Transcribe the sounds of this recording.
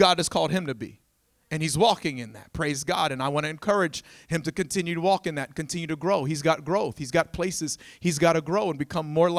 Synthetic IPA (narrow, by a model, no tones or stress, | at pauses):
ɡɑd̚ɨz̥kʰɔlˠd̚ɨ̃mtɨbḭ | ɨ̃nizwɔkɪ̃ŋɨ̃nðɨ̰t̚pʰɹ̥eɪzɡɑ̰ɾɨ̃naɪwɑ̃ñɨɨ̃nkʰɜ˞ɨ̥d͡ʒ̥hɨ̃mtɨkɨ̃ntʰɪ̃njʉɾəwɔkɨ̃nðɨtkɨ̃ntʰɪ̃njʉɾɨɡɹoʊizɡɑt̚ɡ̥ɹoʊθhizɡɑt̚pʰl̥eɪsɨz̥hizɡɑɾɨɡɹoʊə̃nbɨkʰʌ̃mːɔɹl